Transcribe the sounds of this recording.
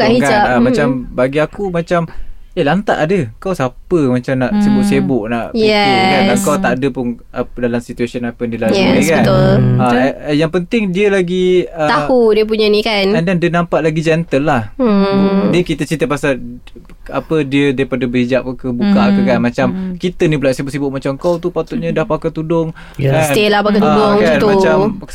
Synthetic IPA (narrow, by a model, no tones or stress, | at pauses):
kikanamat͡ʃambaɡiakumat͡ʃamelant̪a̰ʔadəkawsapəmat͡ʃamnaʔsebʊʔsebʊʔna̰ʔɛkaaŋkawt̪aʔdəpʊn | ədalamsit̪uasiənapəndiəlakaənt̪ʊlajaŋpənt̪ɪŋdiəlaɡiət̪ahudiəp̬uɲanikanɛndandiənampaʔlaɡid͡ʒɛnt̪əlːah | dəkit̪ət͡ʃint̪əpasal | a̰pədiədajipadəbəɦid͡ʒap̚kəbukakəkanmat͡ʃamkit̪ənibulaʔsibʊʔsibʊʔmat͡ʃaŋkawt̪upat̪ʊʔ̪̚ɲədahpakat̪udʊŋ | aelapakauoŋkant̪umat͡ʃam